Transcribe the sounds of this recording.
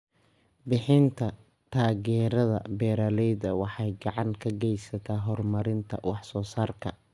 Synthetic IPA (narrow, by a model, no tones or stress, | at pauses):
bɪħɪnt̪ʰɐ | t̪ʰaːɣɛːɾɐðɐ̰bɛːɾɐlɛjðɐwɑħɑjɡɑʕɑŋkʰɐɡɛjsɐt̪ʰaːɦɔrmɐɾɪnt̪ʰɐ̰wɑħsɔːsaːrkʰɐ̰